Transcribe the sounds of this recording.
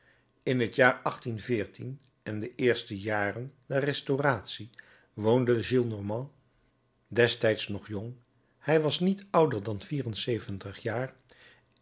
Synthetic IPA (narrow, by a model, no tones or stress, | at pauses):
ɪnɦətjaːɹɑχtinvɪːɹtin | ɛndəʔɪːɹstəjaːrəndɛrɛstoraːtsi | ʋowndəʒilˠnɔɹmɑ̃ | dɛstɛjtsnɔχjʊŋ | hɛjʋɑsnitʌwdəɹdɑnviːrənsejvəntəχjaːr